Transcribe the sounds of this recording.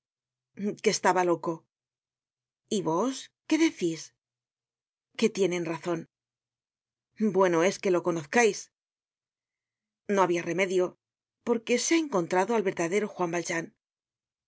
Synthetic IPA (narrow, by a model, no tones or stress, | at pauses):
ke̞st̪aβalo̞ko̞ | iβo̞ske̞ðe̞θis | ke̞t̪je̞nẽ̞nraθo̞n | bwe̞no̞e̞ske̞lo̞ko̞noθkajs | no̞aβiare̞me̞ðjo̞ | po̞ɾke̞seaeŋko̞nt̪ɾaðo̞alβe̞ɾðaðe̞ɾo̞xwambalʒan